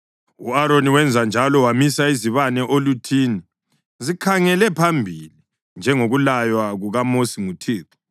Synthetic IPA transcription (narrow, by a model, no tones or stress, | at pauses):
uaɾoniwɛnd͡zʱand͡ʒʱalɔwamisaiziβanɛʔolutʰiːni | zikʰaŋɛlɛpʰambʱili | nd͡ʒʱɛŋoɣulajwaɣuɣamosiŋutʰiːtu̥